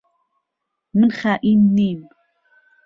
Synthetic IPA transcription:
mənχaʔinːiːm

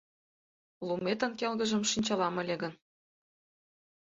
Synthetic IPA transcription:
lˠumet̪ə̆nkelɣə̆ʒə̆mʃinʲt͡ɕɑlɑmɤ̆lʲeɡə̆n

